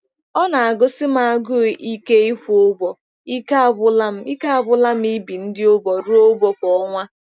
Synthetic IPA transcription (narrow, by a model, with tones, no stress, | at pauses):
ɔ˦na˨a˨ɡʊ˦sɪ˦m˦a˨a˨ɡʊ˦˨i˦ke˦i˦ho˦bɔ˨ | i˦ka˦a˨bʊ˦la˦m̩˦i˦ka˦a˨bʊ˦la˦m̩˦i˦bi˨n̩˦dɪ˦o˦bɔ˨ɾʊ˦o˦bɔ˨kɔ˦ŋʷa˦